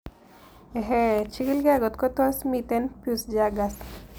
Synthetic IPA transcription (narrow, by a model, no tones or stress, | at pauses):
eɦet͡ʃiɡilɡaɡɔt̪kɔt̪ɔsmit̪enpjusd͡ʒaɡas